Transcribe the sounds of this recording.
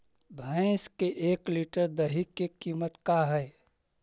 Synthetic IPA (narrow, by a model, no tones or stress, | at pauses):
bʱə̃ɪskeʔeːkliʈəɾd̪əɦikːekiːmət̪kaɦɛː